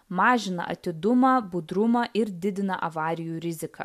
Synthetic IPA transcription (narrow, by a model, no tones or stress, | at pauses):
mɑːʒʲɪnɐ̰ʔɐ̰t̪ʲɪd̪ʊmɐːbʊd̪ɾʊmɐʔɪɾd̪ʲɪd̪ʲɪnɐ̰ʔɐʋɑːɾʲɪjuːɾʲɪzʲɪkɐ̰ː